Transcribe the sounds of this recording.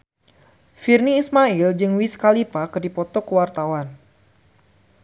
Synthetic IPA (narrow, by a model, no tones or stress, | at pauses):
firniːsmaild͡ʒɨŋwiskalipakɨrdipɔt̪ɔkəwart̪awan